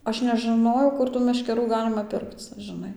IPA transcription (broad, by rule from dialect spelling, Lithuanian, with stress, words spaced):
ˈɐʃ nʲɛʒɨˈnoːjɛʊ ˈkʊr tuː mʲɛʃʲkʲɛˈruː ˈɡɑːlʲɪmɐ ˈpʲɪrkt͡s ʒɨˈnɐɪ